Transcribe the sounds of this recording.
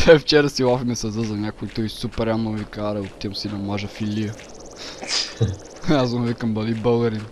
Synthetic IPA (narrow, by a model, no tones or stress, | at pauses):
tɛft͡ʃɛɾəsilˠafimɛsɐzəzɐnʲakʊit̪ɔjsupɛɾamnovikaɾɐot̪ːiəmsinɐmaʒɐfiliə | azɐnvikəmbɐlibəɡɐɾin